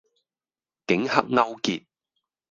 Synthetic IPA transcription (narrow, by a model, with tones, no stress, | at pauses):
kɪ˨˥ŋhɐ˥k̚ŋɐ˥wkiː˨t̚